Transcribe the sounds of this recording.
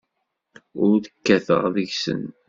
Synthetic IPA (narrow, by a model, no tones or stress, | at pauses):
ʊɾðə̥kːæθə̰ʁðəʝsə̰n